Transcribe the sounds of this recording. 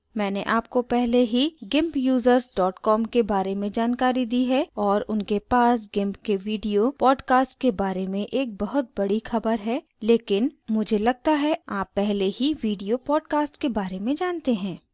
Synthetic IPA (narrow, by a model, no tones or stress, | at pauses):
mɛ̃ːneʔaːp̚kopɛɦleɦiɡɪ̃mpjuːzəɾzɖɔːʈkɔːmkebaːɾemẽd͡ʒaːnkaːɾid̪iːɦɛɔːɾʊnkepaːs̬ɡɪ̃mpkeʋiːɖijopɔːɖkaːsʈkebaːɾemẽʔeːk̚bɐɦʊt̪̚bɐɽixɐbəɾɦɛ | leːkɪnmʊd͡ʒʱelɐɡ̚t̪aɦɛaːpːɛɦleɦiʋiːɖijopɔːɖkaːsʈkebaːɾemẽd͡ʒaːnt̪eɦɛ̃ː